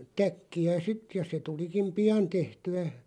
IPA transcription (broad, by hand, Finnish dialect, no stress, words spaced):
tækːiæ sit jɑ se tulikim̆ pij̆ɑn tehtyæ